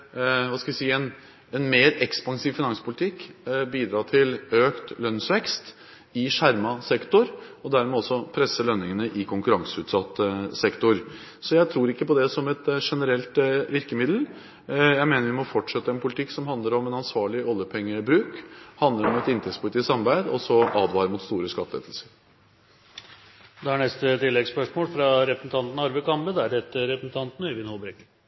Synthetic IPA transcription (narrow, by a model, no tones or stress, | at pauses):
ʋɑːskɑʋɪsiːəɛn | ɛnmeːɾɛkspɑŋsiːʋfɪnɑŋspʰʊlɪt̪ʰɪkːbiːd̪ɾɑːt̪ʰɪløːkt̪lœnsʋɛkst̪ | ɪʂæɾmɑsɛkt̪ʊɾɔd̪æɾmɛɔsːɔpʰɾɛsːəlœnːɪŋənəʔɪkʰʊŋkʉɾɑŋsəʉːt̪sɑt̪ːəsɛkt̪ʊɾsɔjæɪt̪ʰɾuːɾɪkːəpɔd̪ɛsɔmɛt̪ʂɛnəɾɛlt̪ʋɪɾkəmɪd̪l̩ | jæɪmeːnəɾʋɪmɔfɔʈːʂɛt̪ːəɛnpʰʊlɪt̪ʰɪkːsɔmɦɑnd̪ləɾɔmɛnɑnsʋɑːɭɪɔlːjəpʰɛŋːəbɾʉːkhɑnd̪əɾɔmɛt̪ɪnt̪ʰɛktspʰʊlɪt̪ʰiːsɑmbæɪd̪ɔsɔʔɑːd̪ʋɑːɾəmʊt̪st̪uːɾəskɑt̪ːəɛ̰t̪l̩səɾ | d̪ɛæɳɛst̪ət̪ɪlːɛɡspœʂmoːlfɾɑɾɛpɾəsn̩t̪ʰɑnt̪n̩ɑɾʋəkɑmbəd̪æɾɛt̪ːəɾɛpɾəsn̩t̪ʰɑnt̪n̩œʋɪnhobɾɛkə